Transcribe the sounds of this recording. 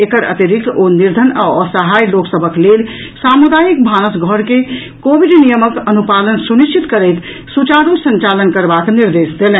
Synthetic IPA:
ekəɾə̰t̪iɾit̪ʰːoniɾd̪ʱənaɔsəɦajloksəbʱəklelsamud̪ajik̚bʱanəsɡʱəɾke | kobiɖnijəməkənupalənsuniʃt͡ʃit̪kəɾɛɪt̪ | sut͡ʃaɾusə̃nt͡ʃalənkəɾbakniɾd̪esd̪elɛ̃

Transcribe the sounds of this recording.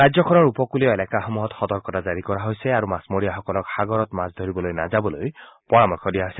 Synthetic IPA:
ad͡ʒzjɔkʰɔnɔɹupɔkulijɔelakaxomuɦɔtxɔt̪ɔɹkɔtazaɹikɔɹaɦojsɛaɹumasmoɹijaxɔkɔlɔkxaɡɔɹɔtmasd̪ʱoɹibɔlojna̰zabɔlojpɔɹamɔɹkʰɔdijaɦojsɛ

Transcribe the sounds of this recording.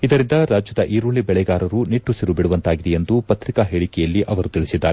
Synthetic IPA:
id̪ɐɾind̪ɐɾaːd͡ʒjɐd̪ɐʔiːɾuɭibɛɭɛɡaːɾɐɾuniʈːusiɾubiɽuʋɐnt̪aːɡid̪ɛjend̪upɐt̪ɾikaɦeːɭikɛjɐlːiʔɐʋɐɾut̪iɭisid̪ːaːɾe

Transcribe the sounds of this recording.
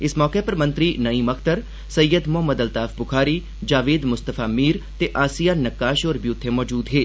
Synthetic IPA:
ɪsmɔːkepɐɾmɐ̃nt̪ɾinɐĩmɐkʰt̪əɾ | sɐjːəd̪mʊɦəmːəd̪ɐlt̪aːfbʊkʰaːɾi | d͡ʒaːʋeːd̪mʊst̪əfʰaːmiːɾt̪eʔaːsijaːnɐkːaːʃoːɾbiʊt̪ʰːemɔːd͡ʒuːd̪ɦeː

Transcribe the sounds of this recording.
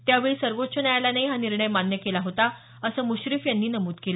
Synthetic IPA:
t̪jaʋeɭisəɾʋot̪t͡ɕənajalanaiɦaniɾɳəjmanjəkelaɦot̪a | əsəːmuɕɾifjanːiːnəmuːt̪kela

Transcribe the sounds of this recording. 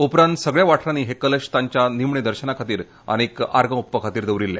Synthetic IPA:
upɾant̪səɡɭjaʋaʈʰɾaniːɦekələɕt̪aɲt͡ɕjanimɳed̪əɾɕənakʰat̪iːɾ | a̰ñika̰ɾɡə̃upːəkʰat̪iːɾd̪əʋɾilːe

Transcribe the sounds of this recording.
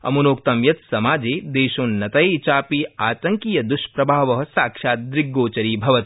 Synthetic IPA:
ɐ̰munoːk̚t̪ɐmjɐt̪sɐmaːd͡ʒeːd̪eːʃõːnːɐt̪ɐjt͡ʃaːpiaːt̪ɐŋkijɐd̪uʃpɾɐbʱaːʋɐɦɐ̆saːkʃaːt̪̚d̪ɾɪɡːoːt͡ʃɐɾiːbʱɐʋɐt̪

